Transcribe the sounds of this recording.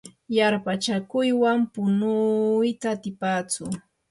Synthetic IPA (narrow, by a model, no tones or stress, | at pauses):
jaɾpat͡ʃakʊjwampʊnʊjt̪aːt̪ɪpaːt͡sʊ